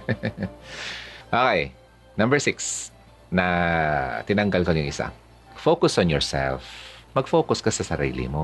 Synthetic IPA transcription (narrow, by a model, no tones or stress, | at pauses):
ʔoːkɛj | nɐ̃mbɛɹsɪks | nɐ | t̪ɪnɐŋɡɐlkɐɲjʊŋʔɪsa̰ | fokʊsɔnjɔɹsɛ̰lfmɐɡfoːkʊskɐsɐsɐɾḭːlɪ̰mo